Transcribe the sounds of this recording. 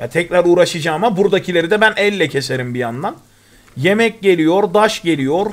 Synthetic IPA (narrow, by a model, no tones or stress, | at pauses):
ja̰t̪ʰɛcɾaɾuːɾaʃɯd͡ʒaːmabuɾd̪acʰilʲe̞ɾid̪ɛbænʔɛlʲːɛcʰe̞se̞ɾimbijand̪an | je̞mɛc̚ɟe̞lʲijo̞ɾd̪aʃɟe̞lʲijo̞ɾ